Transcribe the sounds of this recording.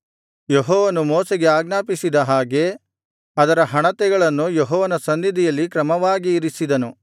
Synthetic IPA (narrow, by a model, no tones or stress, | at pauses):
jeɦɔːʋɐnumoːsɛɡe̞aːɡnaːpisid̪ɐɦaːɡe̞ | ɐd̪ɐɾɐɦɐɳɐt̪ɛɡɐɭɐnːujeɦɔːʋɐnɐsɐnd̪id̪ijɐlːikɾɐmɐʋaːɡiːɾisid̪ɐnu